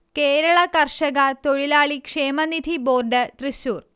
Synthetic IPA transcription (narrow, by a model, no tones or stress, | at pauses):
keːɾɐɭɐkɐrʂɐɣɐt̪o̞ɻilaːɭikʂeːmɐnid̪ʱiboːrɖɨt̪riɕuːr